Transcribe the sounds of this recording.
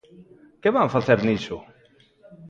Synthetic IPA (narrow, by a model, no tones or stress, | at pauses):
keβaɱfaθeɾnit͡ʃo